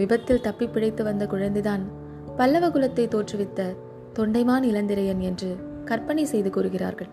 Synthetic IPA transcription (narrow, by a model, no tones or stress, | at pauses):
ʋɪbɐt̪ːɪlt̪ɐpːɪpːɪɽɐɪt̪ːɯʋɐnd̪ɐkʊɻɐnd̪ɪðaːn | pɐlːɐʋɐɣɯlɐt̪ːɐɪt̪oːʈrɯʋɪt̪ːɐ | t̪ɔɳɖɐɪmaːnɐɪlɐnd̪ɪɾɐjɐnɛndrɯ | kɐɾpɐɳisɛjðɯkuːɾɯɣɪra̰ːɾɣɐɭ